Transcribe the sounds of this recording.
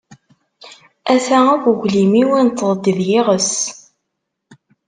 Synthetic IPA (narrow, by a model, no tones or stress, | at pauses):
æsæækʷuʝlimiwint̪ːəðˤd̪iðjɪʁəs